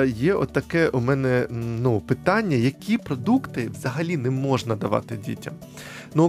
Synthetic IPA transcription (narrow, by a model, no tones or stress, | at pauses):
jɛɔ̰ɐkɛʔʊmɛnɛnupɪt̪ɑnʲːɐjɐkʲipɾɔd̪ukt̪ɪʋzɐɦɐlʲinɛmɔʒnɐd̪ɐʋɑ̰t̪ɪdʲḭtʲɐ̰m | nu